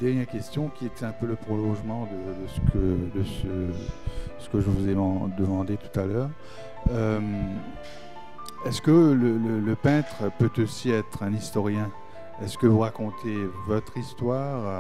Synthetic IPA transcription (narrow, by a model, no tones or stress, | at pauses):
d̪ɛʁɲɛʁkʲɛst̪jɔ̃kʲiet̪ɛɛ̃pøləpχɔlɔ̃ʒmɑ̃d̪əd̪əsə̥kʰəd̪əsə | sə̥kəʒəvuzeɑ̃d̪əmɑ̃d̪et̪u̥t̪alœːʁ | øm | ɛskələlələpɛ̃t̪χpøt̪osiɛt̪χɛ̃nist̪ɔʁjɛ̃ | ɛskəvuʁakɔ̃t̪ʰevɔt̪χist̪waːʁ